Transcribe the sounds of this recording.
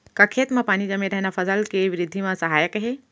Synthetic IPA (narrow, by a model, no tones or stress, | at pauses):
kɐkʰet̪mɐpaːnid͡ʒəmeɾɐɦnafɐsalkeʋɪɾɪd̪ʱːimãsɐɦaːjəkaɦe